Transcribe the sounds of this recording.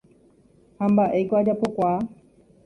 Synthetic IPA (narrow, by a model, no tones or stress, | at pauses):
hambaʔejkoad͡ʒapokʷa